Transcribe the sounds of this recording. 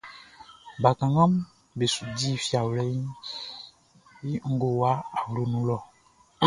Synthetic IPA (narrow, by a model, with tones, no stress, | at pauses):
ba˨kã˨ŋã˦m | be˨su˨di˦˨fi˨a˨wlɛ˨˦i˦ | ji˦ŋ̩˦ɡo˦wa˦a˨wlo˦nũ˦lɔ˦˨